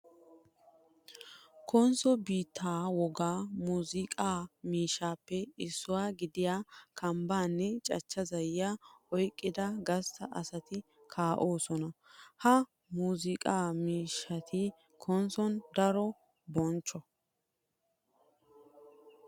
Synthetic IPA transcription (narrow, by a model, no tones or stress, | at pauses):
kʰɔnsɔbiːt̪ʰːaːwɔɡaːmuːzɪkʼaːmiːʃːaːpːɛɪsːʊwaːɡɪd̪ɪjaːkʰɐmbaːnːɛt͡ʃʼɐt͡ʃːɐzɐjjaɔjkʼːɪd̪ɐɡɐstːɐʔɐsɐt̪ɪ | kʰaːʔo̞ːsɔnɐhɐ | muːzɪkʼaːmiːʃːɐt̪ʰɪ | kʰɔnsɔnd̪ɐɾɔ | bɔnt͡ʃːɔ